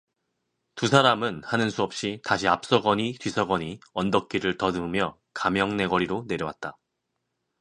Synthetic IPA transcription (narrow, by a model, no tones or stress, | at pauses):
tusʰaɾamɯnhanɯnsʰuʌp̚ɕ͈itaɕʰiap̚s͈ʌɡʌɲitwɥisʰʌɡʌɲiʌndʌk̚k͈iɾɯɭtʌnɯmjʌ | kamjʌŋne̞ɡʌɾiɾone̞ɾjʌwat̚t͈a